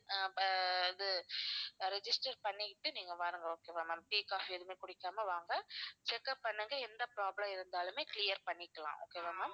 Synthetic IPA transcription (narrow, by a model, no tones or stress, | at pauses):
ɪðɯ | ɾɛd͡ʒɪsʈɐɾpɐɳːɪʈːɯniːŋɡɐʋaːɾɯŋɡɐoːkeːʋaːmaːmpiːkaːɦɛðɯmeːkʊɽɪkːaːmɐʋaːŋɡɐt͡ʃɛkːɐpːɐɳːɯŋɡɐɛnd̪ɐpɾaːblɐmɪɾɯnd̪aːlɯmeːklɪjɐɾpɐɳːɪkːɐlã̰ːʔo̰ːkeːʋaːmːaːm